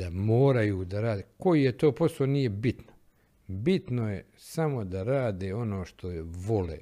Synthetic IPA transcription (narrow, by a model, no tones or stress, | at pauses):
d̪amoːɾajuːd̪aɾaːd̪eko̞jijet̪oːpo̞sloːniːjebit̪no | bit̪no̞je | samo̞d̪aɾaːd̪eːo̞no̞ːʃt̪ʰo̞ʋo̞lḛː